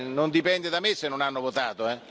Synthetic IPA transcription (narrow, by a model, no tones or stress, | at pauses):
nond̪ipɛnd̪ed̪amesːenːonanːovot̪aːt̪oɛ